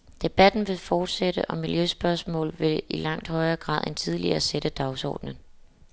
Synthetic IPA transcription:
d̥e̝b̥æd̥n̩ʋe̝fɒːd̥seɾ̥əʔɒ̽miljøsb̥ɶɐsmɔ̰̽ːlʋe̝ilɑ̈ŋ̰d̥hɒ̽ɪɐɡ̥ʁɑ̰̈ːð̰ˠe̝nt͡sʰið̞ˠliɐ̰seɾ̥əd̥ɑ̈ʊsɒ̰ːd̥nən

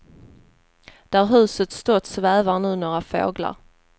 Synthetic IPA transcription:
d̪̥æɾɦʉ̟ːsət̪st̪ɔt̪svæːvaɳʉ̟ːnoːɾafo̰ːɡla̰ɾ

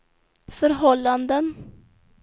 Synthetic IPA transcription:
fœɾɦɔlːand̪ən

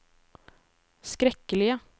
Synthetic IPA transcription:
skɾɛkəlɪə

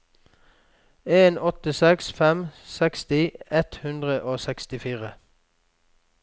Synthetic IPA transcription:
eːnɔt̪əsɛksfɛmsɛkst̪ɪɛt̪hʉnd̪ʁəʔoːsɛkst̪ɪfiːʁə

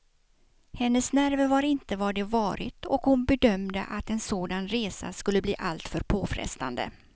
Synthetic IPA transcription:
hɛnːəsnæɾvəvaɾɪnt̪əvaɖɛvɑːɾɪ̰t̪ɔkhʊnbɛd̪œmd̪ə̰ʔat̪ɛnsoːd̪anɾeːsa̰skɵlːəbliːʔalt̪fœɾpʰoːfɾɛ̰st̪a̰nd̪ə̰

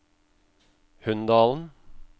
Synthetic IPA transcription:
hʉnd̪ɑːln̩

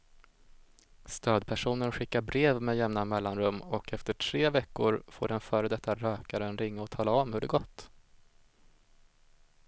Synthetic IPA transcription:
st̪øːd̪pʰæʂuːnənɧɪkːaɾbɾeːvmɛjɛmnamɛlːanɾɵmːɔkɛft̪əʈʰɾeːvɛkːʊɾfo̰ːɖɛnfœːɾəd̪ɛt̪ʰːaɾøːkaɾənɾɪŋːaɔt̪ʰɑːlaɔmhɵɖɛɡɔt̪ː

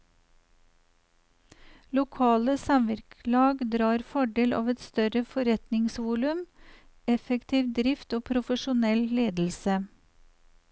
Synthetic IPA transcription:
lʊkʰɑːləsɑmʋɪɾkʰlɑːɡd̪ɾɑːɾfɔɖeːlʔɑ̰ːʋɛt̪st̪œɾəfɔɾɛt̪nɪŋsʋuːlʉm | ɛfəkt̪ʰiːʋd̪ɾɪft̪oːpʰɾʊfəʃʊnɛlleːd̪l̩sə

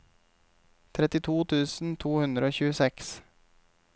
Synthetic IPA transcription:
t̪ʰɾɛt̪ɪt̪ʰuːt̪ʰʉːsn̩t̪ʰuːhʉnd̪ɾəoːçʉːəsɛks

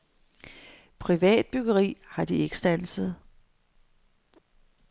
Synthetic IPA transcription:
pʰʁiʋɛ̰ːd̥̚b̥yɡ̥ɐʁḭːhɑ̈d̥ieɡ̥sd̥æn̰səð̞̩ˠ

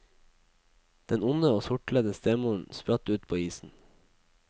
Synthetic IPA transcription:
d̪̥ɛnʊnəoːsʊʈləd̪əst̪eːmuːɳ̩spɾɑt̪ʉːt̪̚pʰoːiːsn̩

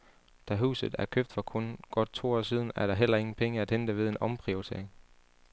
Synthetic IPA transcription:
d̥æɦṵːsð̩ˠæɐkʰøb̥̚d̥fɒ̽kʰonɡ̥ɒ̽d̥̚t͡sʰo̝̰ːɒ̰ːsiːðˠn̩æɐɾɑ̈ɦel̰ɐe̝ŋn̩pʰeŋəæd̥hend̥əʋe̝ð̞ˠe̝nʔɒ̽mpʰʁiot͡sʰe̝ɐeŋ

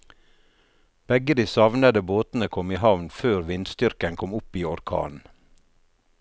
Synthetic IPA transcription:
b̥ɛɡəd̪iːsɑʋnəd̪əboːt̪n̩əkʰɔmiːɦɑʋnføːɾʋɪnst̪ʏɾkənkʰɔmʊpiːɔɾkʰɑ̰ːnn̩

